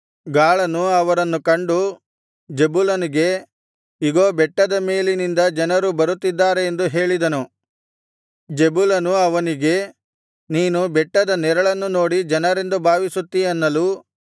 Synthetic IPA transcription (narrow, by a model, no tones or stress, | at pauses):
ɡaːɭɐnuɐʋɐɾɐnːukɐɳɖu | d͡ʒebulɐniɡe̞ | iɡoːbɛʈːɐd̪ɐme̞ːlinind̪ɐd͡ʒɐnɐɾubɐɾut̪ːid̪ːaːɾe̞ːnd̪uɦe̞ːɭid̪ɐnu | d͡ʒebulɐnuɐʋɐniɡe̞ | niːnubɛʈːɐd̪ɐnɛɾɐɭɐnːuno̞ːɽid͡ʒɐnɐɾe̞nd̪ubʱaːʋisut̪ːiɐnːɐluː